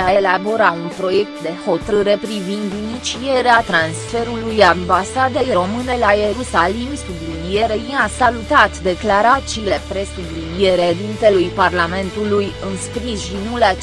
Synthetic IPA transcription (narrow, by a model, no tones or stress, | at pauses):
aelabo̞ɾaunpɾo̞je̞k̚t̪d̪e̞ho̞t̪ɨɾe̞pɾivind̪init͡ʃie̞ɾeat̪ɾansfe̞ɾulujambasad̪ejɾo̞mɨne̞lajeɾusalimsublilie̞ɾejiasalut̪at̪d̪e̞klaɾat̪siːle̞pɾe̞sublinie̞ɾed̪int̪e̞lujparlame̞nt̪ulujɨnspɾisʃinula